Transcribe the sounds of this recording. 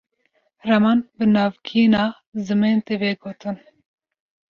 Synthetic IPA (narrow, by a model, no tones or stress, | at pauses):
rɛmɑnbɨnɑːvkʰinɑː | zɨment̪eveɡoːt̪ʰɨn